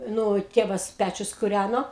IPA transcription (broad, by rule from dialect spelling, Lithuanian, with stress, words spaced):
ˈnʊ ˈtʲeːʋɐs ˈpʲæt͡ʃʲʊs kʊˈrʲænoː